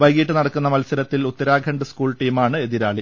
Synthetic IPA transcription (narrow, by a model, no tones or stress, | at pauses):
ʋɐjɡiːʈːɨnɐɽɐkːunːɐmɐlsɐɾɐt̪ːilut̪ːɐɾaːɡʱɐɳɖɨskuːɭʈiːmaːɳɨe̞ðiɾaːɭi